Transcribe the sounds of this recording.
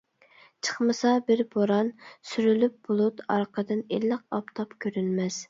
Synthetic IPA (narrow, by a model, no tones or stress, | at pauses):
t͡ʃʰə̥χmɨsɑbɪɾboɾɑnsyɾylyp̚b̥olˠut̪ɑɾqəd̪ɨnelːəq̚ɑpt̪ʰɑpkʲʰøɾynmɛz